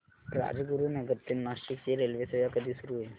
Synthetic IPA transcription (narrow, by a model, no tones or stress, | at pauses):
ɾa̰d͡zɡuɾuːnəɡət̪ːinnasʈikt͡ɕeɾelʋesəʋjakəd̪ʱiːsuɾuːɦe